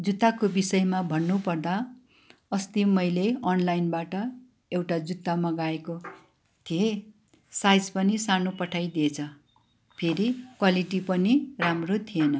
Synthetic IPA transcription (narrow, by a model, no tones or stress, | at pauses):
d͡zut̪ːakobisʌjmabʱʌnːupʌrd̪a | ʌst̪imʌjleʌnlajnbaʈʌ | ewʈad͡zut̪ːamʌɡaeko | t̪ʰije | sajd͡zpʌnisanopʌʈʰajd̪iet͡sʰʌ | pʰeɾikwaliʈipʌniramrot̪ʰienʌ